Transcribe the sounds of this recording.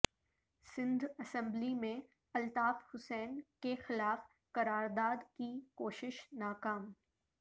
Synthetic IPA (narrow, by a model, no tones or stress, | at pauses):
sɪ̃nd̪ɐsɛ̃mblimẽ | ɐlt̪aːfhʊsɛːnkexɪlaːf | kɐɾaːɾd̪aːd̪kikoːʃɪʃnaːkaːm